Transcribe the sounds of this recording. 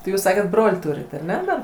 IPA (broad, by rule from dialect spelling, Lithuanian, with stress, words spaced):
tɐɪ ˈjuːs ˈsɑːkʲɛt ˈbroːlʲ ˈtuːrʲɪt ɐˈnʲɛ dɐr